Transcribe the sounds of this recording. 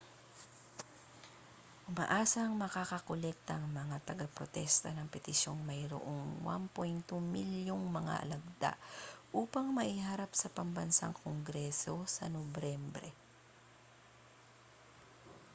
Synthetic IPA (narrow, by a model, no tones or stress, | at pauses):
ʔʊmaʔaːsɐŋmɐkakɐkolɛk̚t̪ɐŋmɐŋat̪ɐɡapɾot̪ɛst̪ɐnɐŋpɛt̪ɪʃjo̞ŋmɐjɾo̰ʔoŋwa̰mpɛjnt̪omiljoŋmɐŋa̰ʔɐ̰lɐɡ̚d̪a̰ʔʔuːpɐŋmɐʔihaɾapsɐpɐmbɐnsa̰ŋkoŋɡɾɛso̞sɐ̰nobɾɛmbɾɛ